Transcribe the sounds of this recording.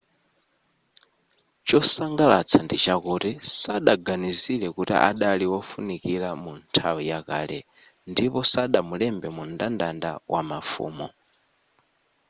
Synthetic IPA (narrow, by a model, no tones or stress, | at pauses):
t͡ʃɔsaŋɡalat͡sʰandit͡ʃakutisaɗaɡaniziɺɛkutḭʔa̰ɗaliwɔfunikiɺamuntʰawijaka̰ːlɛ | ndipɔsaɗamulɛmbɛmundandandawʔa̰mafṵːmɔ